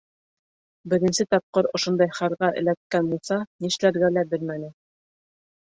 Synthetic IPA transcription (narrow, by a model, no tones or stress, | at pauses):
bɘ̆ɾɘ̆nsɘt̪ɑp̚qɤɾŏʃond̪ɑjχɑɾʁɑʔɘ̰̆læt̪̚kænbulˠsɑniʃlæɾɡælæbɘ̆lmænɘ